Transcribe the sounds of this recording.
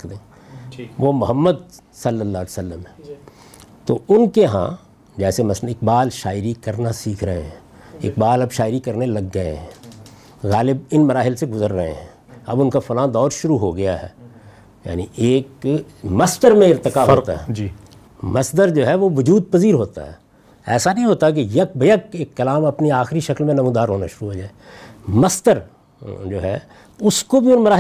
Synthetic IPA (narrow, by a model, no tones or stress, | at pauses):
kʰd̪ẽː | ʋomʊɦəmːəd̪̚ | sɐlːəlːaːlsəlːəmɦɛ̃ː | t̪o̰ʊnkeɦã̰ː | d͡ʒɛːsemɐsɪk̚baːlʃaːɪɾikɐɾnasiːkʰɾɐɦẽɦɛ̃ː | ɪ̰k̚baːlɐbʃaːɪɾikɐɾnelɐɡːɐḛɦɛ̃ː | ɣaːlɪb̚ɪnmɐɾaːɦɪlseɡʊzəɾːɐɦḛ̃ɦɛ̃ | ɐ̰bʊnkafʊlãːd̪ɔːɾʃʊɾuɦoɡɐjaɦɛ̰ː | ja̰ːniʔeːk | mɐst̪əɾmẽɪɾt̪ɪkaɦoːt̪a̰ɦɛ | mɐsd̪əɾd͡ʒoːɦɛʋoʋʊd͡ʒuːd̪̚pɐziːɾɦoːt̪a̰ɦɛ̰ː | ɛ̰ːsanɐɦĩɦoːt̪ak̬ejɐk̚bɐjɐkeːkːɐlaːmɐpniaːxɪɾiʃɐklmẽnɐmũːd̪aːɾɦoːnaʃʊɾuɦoːd͡ʒaːe | mɐst̪əɾ | d͡ʒoːɦɛː | ʊskobʱiʊnmɐɾaː